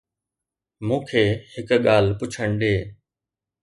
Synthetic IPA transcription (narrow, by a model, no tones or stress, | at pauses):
mũːkʰeːhɪkɠaːl̤pʊt͡ɕʰəɳɖ̪eː